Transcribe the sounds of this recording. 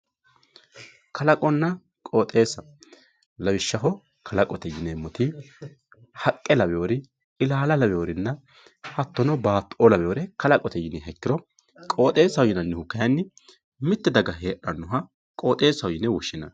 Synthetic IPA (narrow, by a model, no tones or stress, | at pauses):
kʰɐlɐkʼɔnːɐ | kʼoːt̪ʼe̞ːsːɐ | lɐwɪʃːɐɦɔ | kʰɐlɐkʼɔt̪ɛjɪnemːɔt̪ɪ | hɐkʼːɛlɐbɛoːɾɪ | ɪlaːlɐlɐbɛjoːɾɪnːɐ | hɐt̪ːɔnɔbaːt̪ːɔlɐbɛoːɾɛkɐlɐkʼɔt̪ɛjɪnɛɦɛkːɪɾɔ | kʼo̞ːt̪ʼe̞ːsɐwjɪnɐnːɛhʊkːɐjɐnːɪ | mɪt̪ːɛd̪ɐɡɐɦe̞ːʔɐnːʊɦɐ | kʼoːt̪ʼe̞ːsɐwjɪnɛwʊʃːɪnɐ̰